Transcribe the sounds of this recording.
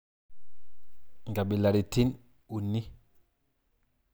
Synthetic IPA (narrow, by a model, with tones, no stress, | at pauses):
ŋɡa˨bi˨la˨ɾi˨ti˦n | u˨ni˦